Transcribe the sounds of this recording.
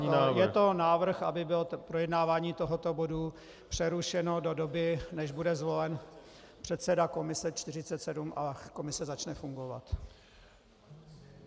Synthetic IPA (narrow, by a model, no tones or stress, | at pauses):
ajɛt̪o̞naːvr̩xʔabɪbɪlpɾojɛdnaːvaːɲiːt̪o̞ɦot̪o̞bo̞du | pr̝̥ɛɾuʃɛno̞do̞dobɪnɛʒbudɛzvo̞lɛn | pr̝̥ɛt̪sɛdako̞mɪsɛt͡ʃt̪ɪr̝ɪtt͡sɛt̪sɛdumʔako̞mɪsɛzat͡ʃnɛfuŋɡo̞va̰t̪